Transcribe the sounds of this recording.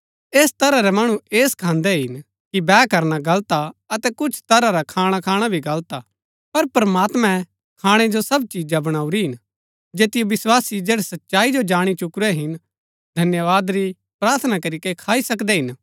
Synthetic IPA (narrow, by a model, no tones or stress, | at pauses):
eːst̪ɐɾaɾɛmɐɽ̃ũeːskʰãːnd̪ɛɦɪn | kibɛːkɐɾnaɡɐlt̪aɐt̪ɛkʊt͡ʃʰt̪ɐɾaɾakʰaːɽ̃akʰaːɽ̃abʱiɡɐlt̪a | pɐɾpɾɐmaːt̪mɛ̃ | kʰaːɽ̃ed͡ʒosɐbt͡ʃiːd͡ʒabɐɽ̃aːuɾiɦɪn | d͡ʒeːt̪ɪjoʋɪswaːsid͡ʒeːɽɛsɐtːʃaːid͡ʒod͡ʒaːɽ̃it͡ʃʊkɾɛɦɪn | d̪ʱɐnjəʋaːd̪ɾi | pɾaːɾt̪ʰnakɐɾikekʰaːisɐkd̪ɛɦɪn